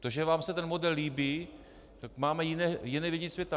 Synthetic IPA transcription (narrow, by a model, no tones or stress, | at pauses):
t̪oʒɛvaːmsɛt̪ɛnmodɛlːiːbi | t̪akmaːmɛjɪnɛːjɪnɛvɪɲɪsvjɛt̪a